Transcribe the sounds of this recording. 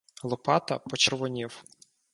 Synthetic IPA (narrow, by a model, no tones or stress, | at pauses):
lˠɔpɑt̪ɐ̰pɔt͡ʃerʋɔnʲiw